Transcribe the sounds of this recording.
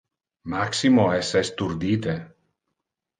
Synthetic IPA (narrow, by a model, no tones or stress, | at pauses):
maksimoɛsɛst̪uɾd̪iːt̪e